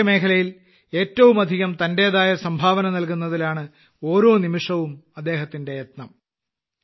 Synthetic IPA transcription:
ɐme̞ːkʰɐlɐjil | e̞ːtːɐʋumɐd̪ʱiɣɐmt̪ɐnde̞ɐðaːjɐsɐmbʱaːʋɐnɐnɐlkunːɐðilaːɳɨ | o̞ːɾo̞ːnimiʂɐʋumɐd̪ːe̞ːɦɐt̪ːinde̞jet̪nɐm

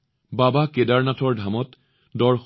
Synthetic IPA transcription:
babakedaɹnatʰɔɹdʱamɔt | dɔɹx

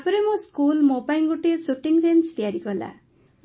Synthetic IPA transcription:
apɾemoskulmobajŋɡuʈesuʈiŋsenst̪ijaɾikola̰

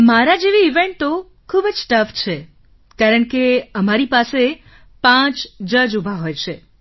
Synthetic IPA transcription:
maɾad͡ʒeʋiːʋẽɳʈt̪o | kʰubd͡ʒsʈəft͡ʃʰe | kaɾəɳkeəmaɾipase | pãt͡ʃd͡ʒəd͡ʒubʱaɦojt͡ʃʰe

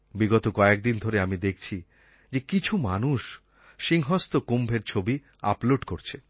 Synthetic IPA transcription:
biɡɔt̪okɔek̚d̪ind̪ʱoɾeamid̪ekʰt͡ɕʰi | d͡ʑekit͡ɕʰumanuʃ | ʃiŋɦɔst̪okumbʱeɾt͡ɕʰobi | a̰ploɖkoɾt͡ɕʰe

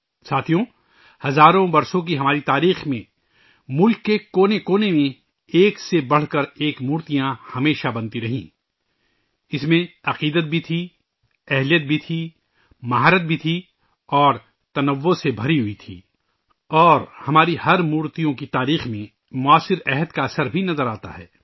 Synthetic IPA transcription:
saːt̪ʰijõ | hɐzaːɾõbɐɾsõk̬iɦɐmaːɾit̪aːɾiːxmẽ | mʊlkːekoːnekoːnemẽ | eːksebɐɽ̤kɐɾeːkmuːɾt̪ijãhɐmeːʃabɐ̃nt̪iɾɐɦḭ̃ː | ɪsmẽɐqiːd̪ət̪̚bʱit̪ʰi | ɛɦlijət̪̚bʱit̪ʰi | mɐɦaːɾət̪̚bʱit̪ʰi | ɔːɾ | t̪ɐnəʋːosebʱɐɾiɦʊit̪ʰḭː | ɔːɾhɐmaːɾihɐɾmuːɾt̪ijõkit̪aːɾiːxmẽ | mʊaːsɪɾɛɦəd̪kaɐsəɾbʱinɐzəɾaːt̪a̰ɦɛ̰ː

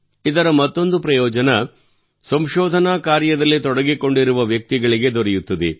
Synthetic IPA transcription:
id̪ɐɾɐmɐt̪ːo̞nd̪upɾɐjɔːd͡ʒɐnɐ | sɐmʃɔːd̪ʱɐnaːkaːɾjɐd̪ɐlːit̪ɔɽɐɡiko̞ɳɖiɾuʋɐʋjɐk̚t̪iɡɐɭiɡe̞d̪oɾɛjut̪ːɐd̪ḛ

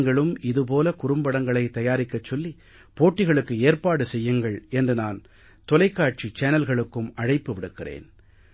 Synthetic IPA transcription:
ŋɡɐɭɯmɪðɯp̬oːlɐkʊrʊmbɐɽɐŋɡɐɭɐɪt̪ːɐjaːɾɪkːɐt͡ʃːɔlːi | poːʈːɪɣɐɭɯkːɯeːrpaːɽɯsɛjːɯŋɡɐɭɛndrɯnaːn | t̪ɔlɐɪkːaːʈ̚t͡ʃit͡ʃɐːnɐlɣɐɭɯkːɯmɐɻɐɪpːɯʋɪɽɯkːɪrḛːn

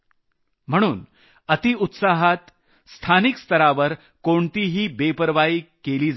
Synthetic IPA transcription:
m̤əɽ̃uːn | ət̪iut̪saɦat̪ | st̪ʰanikst̪əɾaʋəɾ | koɳt̪iːɦiːbepəɾʋaiːkeliːd͡z

